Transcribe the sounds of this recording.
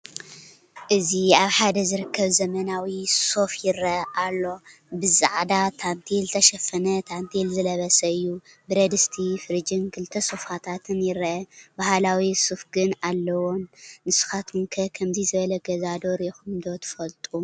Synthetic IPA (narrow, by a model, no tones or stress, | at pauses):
ʔɨziaβħad̪ɐzɨɾɨkːɐβzɐmɐnawiso̞fjɪɾɐʔalːo̞ | bɨzaʕd̪at̪ʰant̪ʰilt̪ʰɐʃɐfɐnɐt̪ʰant̪ʰilzɨlɐβɐsɐɨjːu | bɨɾɐd̪ɨst̪ʰifɨɾɨd͡ʒɨnkʰɨlt̪ʰɐsofat̪ʰat̪ʰɨnjɪɾʔɐbahlawisufɡɨnalːɐwonːɨsu̥xat̪munkʰɐkʰɐmzizɨβɐlɐɡɐzad̪o̞ɾɛxumd̪ot̪ʰɨ̥fɐlt̪ʼu